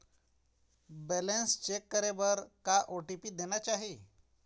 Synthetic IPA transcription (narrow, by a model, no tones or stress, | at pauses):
bɛlenst͡ɕekːəɾebəɾkaʔoʈipiːd̪enjat͡ɕaɦi